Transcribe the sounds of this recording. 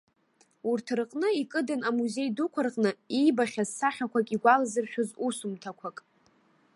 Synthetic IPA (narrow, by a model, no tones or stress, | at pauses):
urtʰrqʼnɨikʼɨdɨnamuze̞jdukʷʰarqʼnɨijbaχʲazsaχʲakʷʰakʼiɡʷalazɨrʃᶣʊzusumtʰakʷʰakʼ